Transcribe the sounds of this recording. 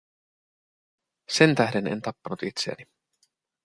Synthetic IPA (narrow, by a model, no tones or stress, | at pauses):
se̞nt̪æhde̞ne̞̰nt̪ɑpːɑnut̪it̪seæ̰ni